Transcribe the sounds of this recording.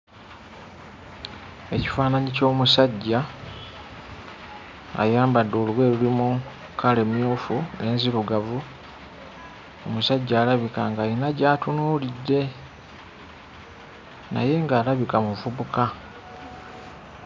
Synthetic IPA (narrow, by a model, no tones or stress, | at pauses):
e̞ci̥faːnaɲico̞ːmusaɟːa | jaːmbadːoːlwe̞ːlulimu | kʰale̞mjoːfue̞ːnziβuɡavu | o̞̰musaɟːaːlaβikaŋɡainaɟaːtunuːlidːe̞ | na̰je̞ŋɡaːlaβikamuvuβuka